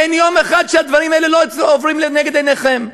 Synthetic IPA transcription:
enjomeχad̪ʃead̪vaʁimaeleloovʁimlenɛɡed̪eneχem

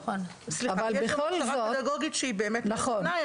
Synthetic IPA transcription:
on | sliavvaljɛbeχolzaoed̪aɡoɡit̪ʃeibeːmetnaχona

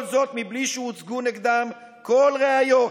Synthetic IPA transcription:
lzot̪mibliʃɛut͡sɡuniɡd̪am | kolʁeajo

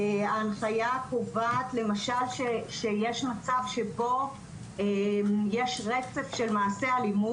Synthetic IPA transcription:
aːnχajakovaːt̪le̞maʃalʃeʃejeʃmat͡savʃebo̞ | ejeʃʁet͡se̞fʃe̞lmaːse̞alimu

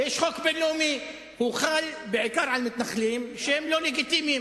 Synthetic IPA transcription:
eːʃxoːkbɪlːuːmi | huːxaːlbɪʕɪkɑːɾˤʕalmʊt̪naxːliːmʃeːmloːlɪɡɪt̪iːmi

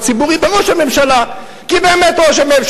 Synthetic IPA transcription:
t͡sibuʁibeʁo̞ʃhame̞mʃala | kibeːme̞tʁoʃ̬amemʃ

